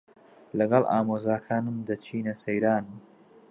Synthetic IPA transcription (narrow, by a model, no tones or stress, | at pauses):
lɐɡɐlˠʔa̰ːmoːzaːkʰaːnɨmd̪ɐt͡ʃʰiːnɐsɐjɾaːnɨm